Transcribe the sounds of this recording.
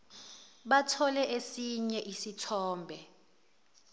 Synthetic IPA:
ɓatʰɔlɛʔesiɲɛʔisitʰɔːmbʱɛ

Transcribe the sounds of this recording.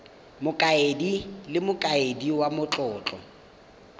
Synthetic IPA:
mʊkʼaedilɪmʊkʼaediwamʊt͡ɬʼɔːt͡ɬʼɔ̰

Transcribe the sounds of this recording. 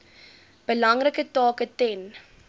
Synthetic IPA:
b̥əlɐŋrəkətɑːkətɛn

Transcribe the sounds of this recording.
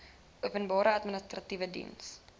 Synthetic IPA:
ʔuəpənbɑːɾəɐtmənəstrɐtivədḭns

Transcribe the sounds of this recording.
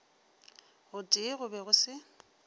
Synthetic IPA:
ɣʊtʼɪɣʊbɛɣʊsɪ

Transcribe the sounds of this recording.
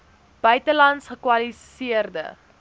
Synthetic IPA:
b̥œɥtəlɐntsχəkwɐlisiərdə̰

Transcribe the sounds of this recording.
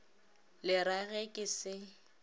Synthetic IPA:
lɪɾaɣɛkʼɪsɪ

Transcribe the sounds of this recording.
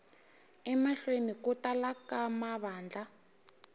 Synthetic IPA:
ɛmaɬwenikutalakamaβaːnd͡ɮʱa

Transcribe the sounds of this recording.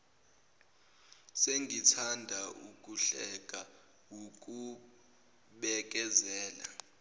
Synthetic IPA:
seŋɡitʰandʱauk̬ʼuɬɛk̬ʼa | wuk̬ʼu | ɓɛk̬ʼɛzɛːla̰

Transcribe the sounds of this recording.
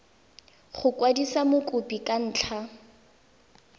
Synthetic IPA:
χʊkʼwadisamʊkʼʊpikʼan̩ːt͡ɬʰa

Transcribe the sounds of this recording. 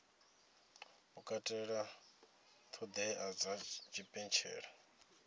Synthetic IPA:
ukʼatʼɛɺa | t̪ʰɔd̪ɛʔad͡zat͡ʃipʼɛnt͡ʃʰɛ̰ːɺa

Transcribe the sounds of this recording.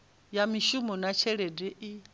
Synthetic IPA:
jamiʃumɔnat͡ʃʰɛɺedɛʔi

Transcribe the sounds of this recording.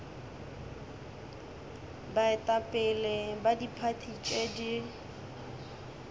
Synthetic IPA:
baɪtʼapʼɪlebadipʰatʰit͡ʃʼedi

